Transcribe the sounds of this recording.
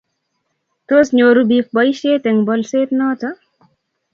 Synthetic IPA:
t̪osnʲoɾubik̚bʌjɕeːt̪eŋbɔlseːt̪nɔːt͡sɐ

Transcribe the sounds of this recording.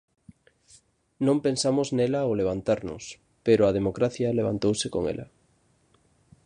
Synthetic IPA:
nõmpensamoznelaoleβ̞ant̪aɾno̰s | peɾoað̞emokɾaθjaleβa̰nt̪owseko̰ŋḛlʔa̰

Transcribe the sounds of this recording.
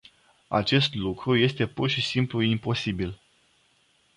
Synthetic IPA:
a̰t͡ʃe̞st̪lukɾuje̞st̪e̞purʃisimpluimpo̞sibil

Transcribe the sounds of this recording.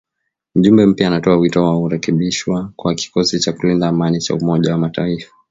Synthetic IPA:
m̩ʄumbɛm̩pjaːnatɔawitɔwauɾɛkɛɓiʃwakwaki̥kɔsit͡ʃakulindaːmanit͡ʃa̰umɔʄawamataifḁ

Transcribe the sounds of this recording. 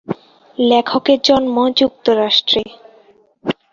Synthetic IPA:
lɛkʰokeɾd͡ʑonmɔd͡ʑuk̚t̪oɾaʃʈɾe

